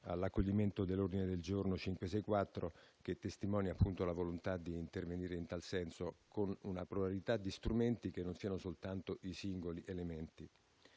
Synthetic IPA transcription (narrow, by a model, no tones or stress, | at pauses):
a̰lːakːoʎːiment̪od̪elːord̪ined̪eld͡ʒornot͡ʃiŋkwesɛkːwat̪ːɾok̟et̪ːest̪imɔːnjapːunt̪olavolont̪ad̪iːnt̪erveniːɾeint̪alsɛnsokonunapɾobalit̪ad̪ːist̪ɾument̪ik̟enːonsiːanosolt̪ant̪oʔisiŋɡoliʔelement̪i